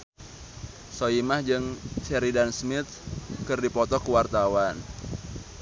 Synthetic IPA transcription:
soimahd͡ʒɨŋt͡ʃɛɾidansmɪt̪̚kɨrdipɔt̪ɔkuwart̪awan

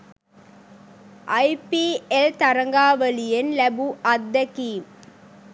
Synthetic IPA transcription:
ʔɐɪpiɛlt̪ɐɾɐŋɡaːʋɐlɪjɐnlɐbuɐd̪ːɐkim

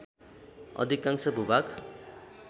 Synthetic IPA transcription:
ʌ̰d̪ʱikːãŋsʌbʱubak

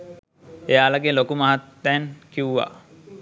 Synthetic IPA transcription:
ejaːlaɡelokumaɦat̪ːɛnkiuʋa̰

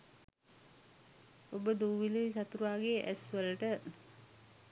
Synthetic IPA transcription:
obəd̪uːʋilesat̪uɾaːɡeʔæsʋələʈə

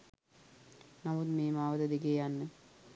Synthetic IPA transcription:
namud̪meːmaːʋəd̪əd̪iɡeːjanːə

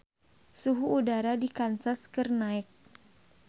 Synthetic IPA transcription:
suɦuːdaɾadikansaskɨrnaɛk̚

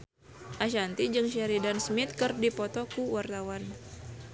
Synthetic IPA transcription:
ʔaʃant̪id͡ʒɨŋʃɛɾidansmit̪̚kɨrdipɔt̪ɔkuwart̪awan

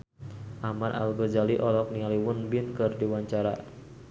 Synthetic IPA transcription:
ʔamarʔa̰lɡɔd͡ʒaliʔɔlɔk̚nialiwʊnbɪnkɨrdiwaɲt͡ʃaɾa̰

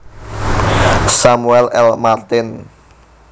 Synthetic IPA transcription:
samuɛlɛlmart̪ɪn

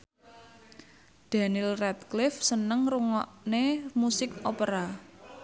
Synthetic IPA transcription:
d̪̥a̤nilrɛt̪klɪfsənəŋruŋɔʔnemusɪkopəɾa

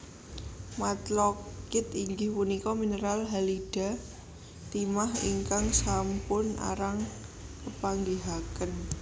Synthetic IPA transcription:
mat̪lɔkɪt̪iŋɡɪhpunikɔminəɾalɦaliɖ̥a̤ | t̪imahḭŋkaŋsampʊna̰ɾaŋ | kəpaŋɡiɦakən

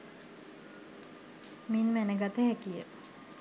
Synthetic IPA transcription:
minmænəɡat̪əɦɛkijə

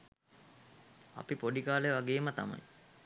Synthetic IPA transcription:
a̰pipoɖikaːleʋaɡeːmət̪ama̰j

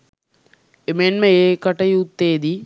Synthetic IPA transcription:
emenmɐjekɐʈːɐjut̪ːeːd̪i

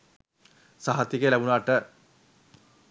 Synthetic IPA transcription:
saɦat̪ːikelæbunaːʈə

